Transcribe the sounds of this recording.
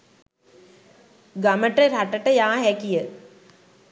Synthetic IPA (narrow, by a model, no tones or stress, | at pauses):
ɡaməʈəɾaʈəʈəjaːɦɛkijə